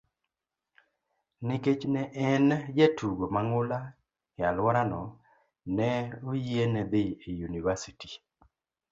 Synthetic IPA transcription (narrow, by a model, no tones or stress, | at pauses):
nɪket͡ʃnɛʔɛnd͡ʒɛtʰuɡomaŋʊla | jalwɔɾanɔ | nɛojienɛd̪ɪijunivasiti̥